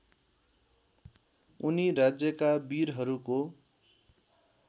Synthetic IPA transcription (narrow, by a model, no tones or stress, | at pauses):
uniɾad͡zjʌkabiɾɦʌɾuko